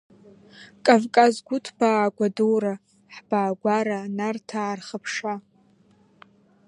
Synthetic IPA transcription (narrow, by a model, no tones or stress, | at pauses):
kʼavkʼazɡʷʊtʰb̥aːɡʷaduwra | ħb̥aːɡʷaɾanartʰaːrχəpʰʂa